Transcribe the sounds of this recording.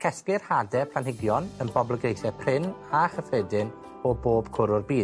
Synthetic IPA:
kʰɛsplɪrhadɛpʰlanhɪɡjɔnənbɔblˠəɡejθɛpʰrɪnaχəfedɨn | ɔboːb̥kʰʊɾʊrbiːd

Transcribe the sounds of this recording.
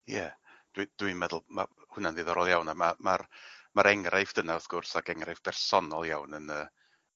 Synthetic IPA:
jɛ | d̥wid̥winmɛðʊlˠma̰hʊnandiðɔɾɔlˠjawnamamarmaɾɛŋrʔaɨfd̥ənaɔθɡ̥ʊrsaɡɛŋraɨvb̥ɛrsɔnɔlˠjawnənəː

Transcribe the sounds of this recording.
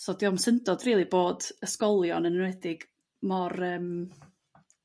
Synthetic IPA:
sɔdiɔmsəndɔdriːlˠiboːdəskɔlˠjɔnənənwɛdɪɡ̥ | mɔrəːm

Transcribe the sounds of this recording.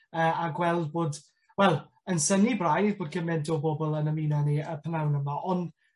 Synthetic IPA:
əːaɡwɛlˠd̚boːd | wɛlˠ | ənsənibrajðboːd̚ɡəmɛndɔbɔbɔlˠənəmiːnaniəpʰənawnəmaʔɔn

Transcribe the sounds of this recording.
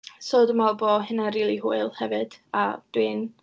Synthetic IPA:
soːdəmalˠboːhɪnaɾiːlˠiɦuɨlˠhɛvɨd̥ad̥wɨn

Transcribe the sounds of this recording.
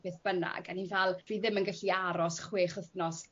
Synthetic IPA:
beθb̥əna̰ɡanhinvalˠr̥iːðɪmənɡaɬiaɾɔsχweːχəθnɔs

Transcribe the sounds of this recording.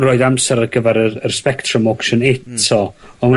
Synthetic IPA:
roːjɨdamsɛɾəɡəvɛɾəərspɛktʰrəmɔkʃənɪtʰɔɔma

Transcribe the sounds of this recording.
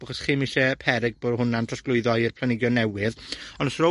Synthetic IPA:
aχɔsχiːmɪɬɛpʰɛɾɪɡ̚boːdɦʊnantʰrasɡlˠʊɨðɔirpʰlˠanɪɡjɔnːɛwɪðɔnɔsrɔ

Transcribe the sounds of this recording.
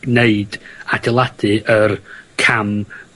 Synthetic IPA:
neɨd̥adɪlˠad̥ɨʔərkʰam

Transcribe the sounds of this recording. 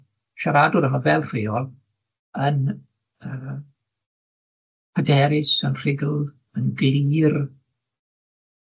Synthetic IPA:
ʃaɾadʊɾəɦəvɛlˠr̥ejɔlˠ | ən | əː | pʰədɛɾɪsənr̥ɪɡl̩ˠ | ənɡliːr

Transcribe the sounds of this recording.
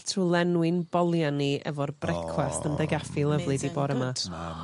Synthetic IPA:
tʰulˠɛnwɪnbɔlˠjaniɛ̰vɔrbrɛkʰwastəndɛɡafilˠəvlˠɨdibɔɾəma

